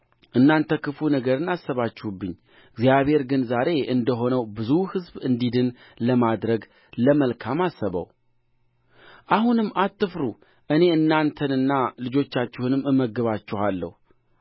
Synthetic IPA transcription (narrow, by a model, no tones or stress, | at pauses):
ʔɨnːant̪ʰəkɨfunəɡəɾɨnːasːəβat͡ʃːɪhubːɨɲː | ɨɡzijaβhe̞ɾɡɨnzaɾe̞ʔɨnd̪əɦo̞nəwbɨzuhɨzbɨnd̪id̪ɨn | ləmad̪ɾəɡ | ləməlkʰamasːəβə̰w | ʔahunɨmːʔat̪ːɨfɾu | ʔɨne̞ɨnːant̪ʰənɨnːalɨd͡ʒo̞t͡ʃːat͡ʃːɪhunɨmɨmːəɡɨβat͡ʃːɛhalːə̰hu